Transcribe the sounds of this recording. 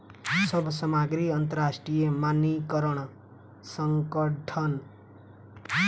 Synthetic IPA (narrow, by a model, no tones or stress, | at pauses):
sʌbʱsʌmaɡɾiʌnt̪ʌɾasʈrijʌmanːikʌɾʌɽ̃ | sʌŋkʌʈʰʌn